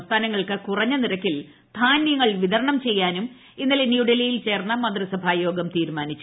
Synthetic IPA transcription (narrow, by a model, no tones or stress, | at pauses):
st̪ʰaːnɐŋːɐɭkɨkurɐɲːɐniɾɐkːil | t̪ʰaːnjɐŋːɐɭʋiðɐɾɐɳɐmt͡ɕe̞jːaːnum | inːɐlenjuːɖɐlijilt͡ɕe̞ːrnːɐmɐnd̪risɐbʱaːjo̞ːɡɐmt̪iːɾmaːnit͡ɕːu